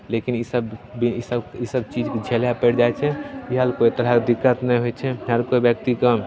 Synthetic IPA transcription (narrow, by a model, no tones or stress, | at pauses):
lekinisəbbiisəbisəb̚t͡ʃid͡ʒked͡ʒʱeljapɛɾd͡ʒaɛt͡ʃʰɛiɦəlkoit̪əɾɦakd̪ikːət̪nəɦojt͡ʃʰɛɦəlkoibjək̚t̪ikam